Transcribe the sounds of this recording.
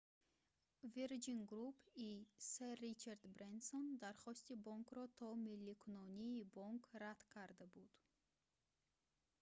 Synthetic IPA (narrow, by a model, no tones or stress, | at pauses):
viɾd͡ʒinɡɾupʰiserit͡ʃʰaɾd̪bɾensond̪aɾχɔst̪ibɔŋkʰɾɔt̪ʰɔmilːikʰunɔniːbɔŋkʰɾat̪kʰaɾd̪abud̪̥